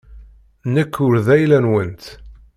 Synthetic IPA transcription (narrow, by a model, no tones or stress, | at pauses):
nəkːʊɾðæjlænwənt̪